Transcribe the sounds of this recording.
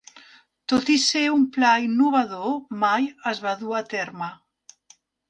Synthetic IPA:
t̪ot̪iseumplainːuβaðomajazβaðuat̪ɛɾma

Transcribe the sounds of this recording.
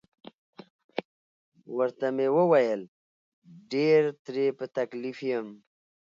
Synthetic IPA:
wəɾt̪amewəwajəl | ɖeɾt̪ɾepət̪aklifijəm

